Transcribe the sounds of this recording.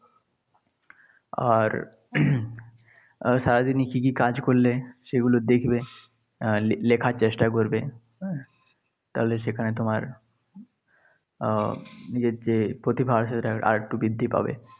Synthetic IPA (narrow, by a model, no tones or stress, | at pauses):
a̰ɾ | ʃaɾad̪inikikikad͡ʑkoɾleʃeɡulod̪ekʰbe | lekʰaɾt͡ɕesʈakoɾbe | t̪aɦoleʃekʰanet̪omaɾ | nid͡ʑeɾd͡ʑepɾot̪ibʱaaɾʃeɾaa̰ɾʈubid̪ʱːipa̰bḛ